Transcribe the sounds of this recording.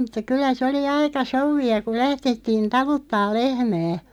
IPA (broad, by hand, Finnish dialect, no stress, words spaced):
mu̥tːɑ kylˑæ se oli ɑikɑ souʋːiɑ ku læhd̥etːiːn tɑlutːɑːl lehmæː